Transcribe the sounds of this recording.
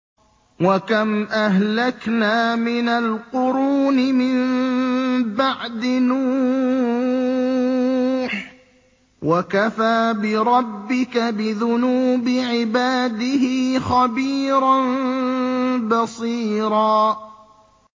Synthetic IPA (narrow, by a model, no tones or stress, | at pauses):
wakamʔahlaknaːmɪnalqʊɾuːnɪmɪm | baʕd̪ɪnuː | ħ | wʔakafaːbɪɾˤɑbːɪkabɪðʊnuːbɪʕɪbaːd̪ɪɦɪːxabiːɾˤɑn | bɑsˤiːɾɑː